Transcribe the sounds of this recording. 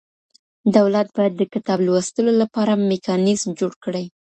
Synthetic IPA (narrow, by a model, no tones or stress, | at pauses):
d̪awlat̪̚bɑjad̪ːəkɪt̪ɑblwəst̪əlolapɑɾamekɑnɪzmd͡ʒoɽkəɽaj